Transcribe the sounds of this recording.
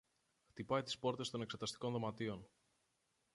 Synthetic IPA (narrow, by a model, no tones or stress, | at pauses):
xt̪ipɐjt̪i̥spo̞ɾt̪e̞st̪o̞ne̞kse̞t̪ɐst̪i̥ko̞nðo̞mɐt̪io̞n